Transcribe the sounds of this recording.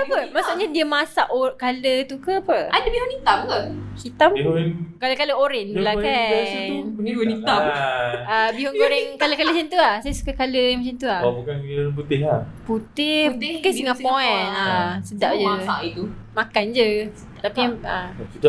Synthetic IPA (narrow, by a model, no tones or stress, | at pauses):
apəmasuʔɲadiəmasaʔokalət̪ukəpəadəbiwonit̪apkəkit̪aminkaləkaləoɾɛnbəlakauŋiiwanita | abiɦoŋkoɾɛŋkaləkaləsant̪uahsajəsu̥kakaləmat͡ʃant̪uahabukanp̬ut̪ɪɦaput̪ɪhkajsəŋaʔpoɛnasədaʔd͡ʒəaʔit̪u | makand͡ʒə | t̪apiaakit̪a